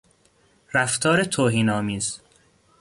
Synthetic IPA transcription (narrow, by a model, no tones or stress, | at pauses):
ɾæft̪ʰɒːɾet̪ʰoːɦiːnɒːmiːz̥